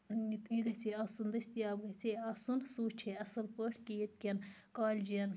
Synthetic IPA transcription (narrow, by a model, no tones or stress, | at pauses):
iɡɐt͡sʰeɐsund̪ɐsʲt̪ijaːbɡɐt͡sʰeɐsunsuːt͡ʃʰeɐsɐlpəʈkʲijit̪̚kʲɐnkaːlʲd͡ʒiɐn